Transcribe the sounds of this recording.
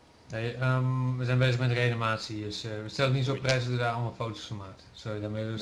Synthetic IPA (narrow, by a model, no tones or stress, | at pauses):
nejəmʋəzɛnbeːzəxmɛtdərenimaːsiəsəstɛlˠənisoprɛtsɔədaɔlˠmafowtosfɔmaːktsojədame